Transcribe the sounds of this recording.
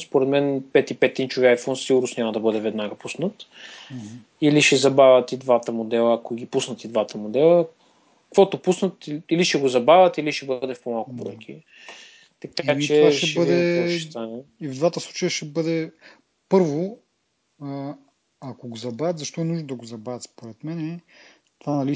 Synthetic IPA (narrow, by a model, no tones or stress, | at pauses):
spoɾɛt̪mɛnpɛt̪ipɛt̪ːint͡ʃuviajfɔnsiɡʊɾnosnʲamɐd̪ɐbɤd̪ɛvɛd̪naɡəpusnət̪ | iliʃɛzɐbavʲət̪id̪vat̪əmod̪ɛlˠəːkoɡipusnət̪id̪vat̪əmod̪ɛlˠə | kkvɔt̪opusnət̪iliʃɛɡozɐbavʲət̪iliʃɛbɤd̪ɛfpomalˠkʊbɾɔ̰ɛk̟ʰḭ | t̪ɐkat͡ʃiɛvaʃɛʃbəd̪ɛst̪anɛivd̪vat̪əslˠut͡ʃəjəʃɛbɤd̪ɛ | pɤɾvo | ɐkoɡozɐbɾavɛt̪zɐʃt̪ɔɛnuʒnod̪ɐɡozɐbavʲət̪spoɾɛt̪mɛnɛ | t̪vanɐli